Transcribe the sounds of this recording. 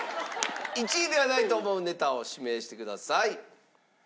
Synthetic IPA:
it͡ɕid̪e̞βanait̪o̞ːmo̞ɯ̟ne̞t̪ao̞ɕime̞ːɕi̥t̪e̞kɯ̟d̪asai

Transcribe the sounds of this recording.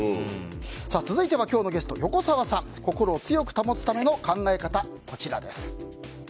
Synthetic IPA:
saːt͡sɨzɨit̪e̞βakʲo̞ːno̞ɡe̞sɨ̥t̪o̞jo̞ko̞saβasãŋko̞ko̞ɾo̞ːt͡sɨjo̞kɯ̟̥t̪amo̞t͡sɨ̥t̪ame̞no̞kãŋɡae̞kat̪a | ko̞t͡ɕiɾa̰d̪e̞sɨ̥

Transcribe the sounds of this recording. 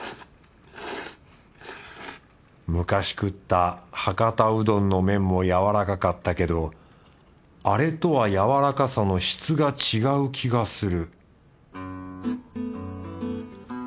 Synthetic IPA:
mɯ̟kaɕi̥kɯ̟t̪ːahakat̪aɯ̟d̪õ̞nːo̞mẽ̞mːo̞jaβaɾakakat̪ːake̞d̪o̞ | aɾe̞t̪o̞βajaβaɾakasano̞ɕi̥t͡sɨɡat͡ɕiɡaɯ̟kʲiɡasɨɾɯ̟

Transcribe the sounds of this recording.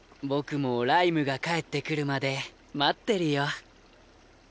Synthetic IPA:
bo̞kɯ̟mo̞ɾaimɯ̟ɡakae̞t̪ːe̞kɯ̟ɾɯ̟mad̪e̞ | mat̪ːe̞ɾɯ̟jo

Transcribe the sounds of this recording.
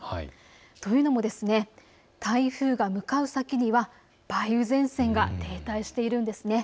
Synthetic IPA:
h | t̪o̞jɯ̟no̞mo̞d̪e̞sɨne̞ | t̪aiɸɯ̟ːɡamɯ̟kaɯ̟sakʲiɲ̟iβa | b̥aiɯ̟zẽ̞ɰ̃sẽ̞ŋɡat̪ʰe̞ːt̪aiɕi̥t̪e̞iɾɯ̟̃nd̪e̞sɨne̞

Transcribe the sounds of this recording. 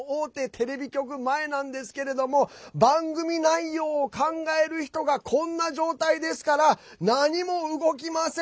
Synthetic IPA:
oːt̪e̞t̪ʰe̞ɾe̞bʲikʲo̞k̬ɯ̟mae̞nãnd̪e̞sɨ̥ke̞ɾe̞d̪o̞mo̞bãŋɡɯ̟mʲinaijo̞ːkãŋɡae̞ɾɯ̟çi̥t̪o̞ɡakʰõ̞nːaʑo̞ːt̪aid̪e̞sɨ̥kaɾa | naɲ̟imo̞ɯ̟ɡo̞k̬ʲimase

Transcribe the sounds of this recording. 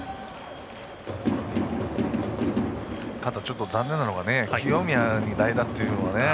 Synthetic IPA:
t̪ad̪at͡ɕo̞t̪ːozãnːẽ̞nːanoɡane̞kʰʲiomʲiaɲ̟id̪aid̪at̪ːe̞jɯ̟noβane

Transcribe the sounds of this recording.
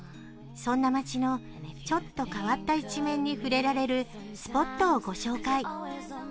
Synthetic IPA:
sõ̞nːamat͡ɕino̞ | t͡ɕo̞t̪ːo̞kaβat̪ːait͡ɕimẽ̞ɲ̟ːiɸɯ̟ɾe̞ɾaɾe̞ɾɯ̟ | sɨ̥po̞t̪ːo̞ːɡo̞ɕo̞ːkai

